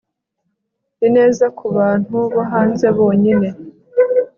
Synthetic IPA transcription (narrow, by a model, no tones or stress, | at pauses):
dine̞ːzakuβaːn̥huβaɦaːnze̞βo̞ːɲine̞